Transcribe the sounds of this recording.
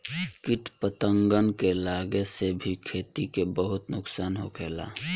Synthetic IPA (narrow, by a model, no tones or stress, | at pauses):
kɪʈpət̪əŋɡənkelaːɡesebʱikʰeːt̪ikebəɦʊt̪nʊksaːnɦokʰeːla̰ː